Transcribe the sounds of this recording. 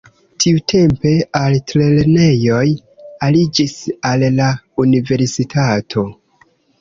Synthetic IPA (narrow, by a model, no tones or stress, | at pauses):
tʰiutʰe̞mpe̞altɾe̞lene̞jo̞j | alid͡ʒisalːaunive̞ɾsitʰatʰo̞